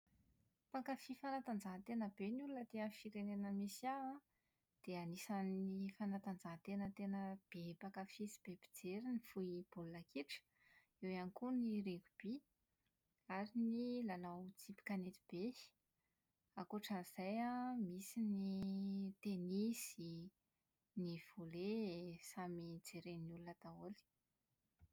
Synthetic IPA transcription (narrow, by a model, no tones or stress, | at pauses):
pakafifanat̪and͡zaɦt̪enəbenulunət̪eəfiɾenenəmisaa | d̪̥eanisanifanat̪and͡zaɦt̪enət̪enəb̥epakafisi̥b̥ebi̥d͡zeɾinifuib̥olunakʰiʈ͡ʂə̥ | ewanikuniɾekub̥i | aɾinilalawt͡sipi̥kanet̪ib̥e̥ | akoʈ͡ʂaniz̥ajamisinit̪enisi | niv̥olesamid͡zeɾeniulunat̪aoli̥